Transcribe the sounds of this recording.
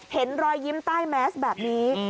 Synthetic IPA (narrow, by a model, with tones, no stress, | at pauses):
he˩˦nɾɔː˧jːi˦˥mt̪aː˥˩jmɛː˦˥sbɛː˨˩p̚niː˦˥